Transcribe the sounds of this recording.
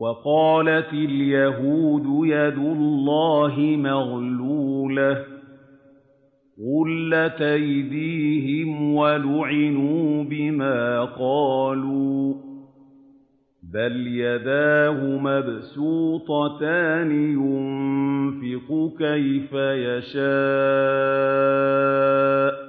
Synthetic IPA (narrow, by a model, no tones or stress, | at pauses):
wɑqɑːlat̪ɪljaɦuːd̪ʊjad̪ʊlːɑːɦɪmaɣluːla | ɣʊlːat̪ajd̪iːɦɪmwalʊʕɪnuːbɪmaːqɑːluː | baljad̪aːɦʊmabsuːt̪ˤɑt̪aːnɪjʊnmfɪqʊkajfajaʃaː | ʔ